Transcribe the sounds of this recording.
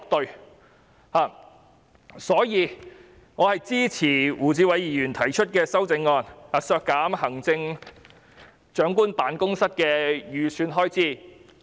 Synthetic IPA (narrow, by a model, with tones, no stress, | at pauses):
k̚t̪ɵ˨ɥ | haː˨˩ | sɔː˨˥jiː˨˧ | ŋɔː˨˧hɐ˨jt͡siː˥t͡sʰiː˨˩wuː˨˩t͡siː˨˧wɐ˨˧jjiː˨˩jyː˨˩nt̪ʰɐ˨˩jt͡ʃʰɵ˥t̚kɛː˧sɐ˥wt͡sɪ˨˧˥ŋːɔː˧naː˨sœː˧kːaː˨˥mhɐ˨˩ŋt͡sɪ˧ŋ | t͡ʃœː˨˥ŋkuː˥npaː˨˧˥nkʊ˥ŋsɐ˥t̚kɛː˧jyː˨syː˧nɦɔː˥jt͡siː˥˩